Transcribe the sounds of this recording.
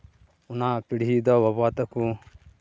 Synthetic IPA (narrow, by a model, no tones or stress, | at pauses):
unapiɽiɦid̪ɔʋɐbaːt̪ɐku